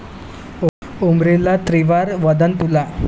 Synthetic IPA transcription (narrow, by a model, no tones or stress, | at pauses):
umɾelat̪ɾiʋaɾʋəd̪ənt̪ula